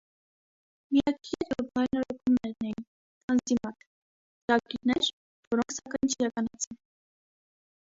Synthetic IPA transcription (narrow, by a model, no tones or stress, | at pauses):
mijɑkʰiɛɾɔpɑjnɔɾɔkumnɛɾnɛjin | ɑnzimɑt̪ʰ | t̪ɑɡɾiɾnɛɾ | vɔɾɔŋkʰsɑkɑjnt͡ʃʰiɾɑkɑnɑt͡sʰɛn